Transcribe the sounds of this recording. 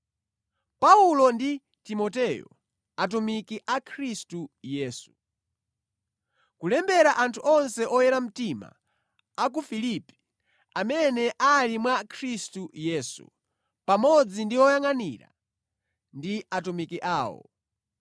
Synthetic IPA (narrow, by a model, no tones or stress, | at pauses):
paulɔndi | timɔtɛjɔ̰ | at̬umikiʔakʰɾistujɛːsu̥ | kulɛmbɛɾaʔantʰuɔnsɛʔɔjɛɾam̩tima̰ː | k̬ufilipi̥ | amɛnɛʔalimwakʰɾistujɛːsṵ | pamɔd͡zindiɔjaŋaniɾa̰ | ndiatumikiʔaːwɔ̰